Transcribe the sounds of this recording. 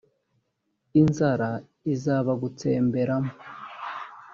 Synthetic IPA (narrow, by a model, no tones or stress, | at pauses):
inzaɾa | izaːβaɡut͡seːmbe̞ɾamo